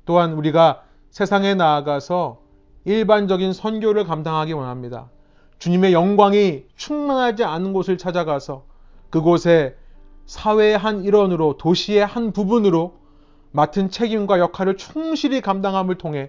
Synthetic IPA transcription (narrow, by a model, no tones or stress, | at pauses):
t͈oɦanuɾiɡa | sʰe̞sʰaŋe̞naːɡasʰʌ | iɭband͡ʑʌɡinsʰʌnɡjoɾɯɭkamdaŋɦaɡiwʌnɦamɲida̰ | t͡ɕuɲime̞jʌŋɡwaŋit͡ɕʰuŋmanɦad͡ʑianɯnɡosʰɯɭt͡ɕʰad͡ʑaɡasʰʌ | kɯɡosʰe̞sʰawe̞ɦaniɾʌnɯɾotoɕʰie̞hanpubunɯɾo | matʰɯnt͡ɕʰe̞ɡimɡwajʌkʰaɾɯɭt͡ɕʰuŋɕʰiɾikamdaŋɦamɯɭtʰoŋɦe̞